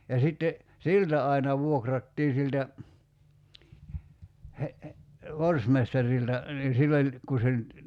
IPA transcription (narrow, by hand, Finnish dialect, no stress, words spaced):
jɑ sitːe siltæ ɑinɑ ʋuokrɑtːiː siltæ he ʋorsmestɑriltɑ niː silː olʲ ku se ny̆t